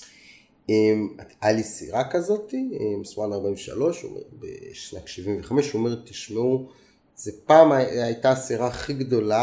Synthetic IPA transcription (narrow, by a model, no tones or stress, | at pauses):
emat̪alisḭʁakazo̞tiemismanaʁbaimveʃa̰lo̞ʃo̰mḛbḛʃnatʃivimveχameʃomeʁet̪ːiʃmeu | zepaːmajtasiʁaχiɡdo̞la